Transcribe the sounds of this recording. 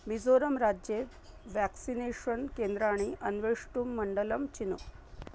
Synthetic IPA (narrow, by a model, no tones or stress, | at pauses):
mid͡zoɾəmɾad͡ʑje | ʋæksineɕənkend̪ɾaɽ̃iʔənʋeʂʈuːmːəɳɖələmt͡ɕinu